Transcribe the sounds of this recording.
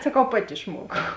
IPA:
sɐˈkɐʊ ˈpɑːtʲɪ ɪʃˈmuɔkɐʊ

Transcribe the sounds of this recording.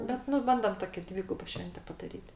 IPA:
ˈbʲɛt nʊ ˈbɐndoːm ˈtoːkʲɪ ˈdʲʋʲiːɡʊboː ˈʃʲʋʲɛnʲtʲɛ pɐdɐˈrʲiːtʲ

